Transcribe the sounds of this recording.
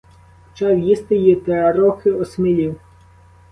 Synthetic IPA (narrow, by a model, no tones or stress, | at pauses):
t͡ʃɑwjist̪ɪjit̪ɛɐɾɔxɪɔsmɪlʲiw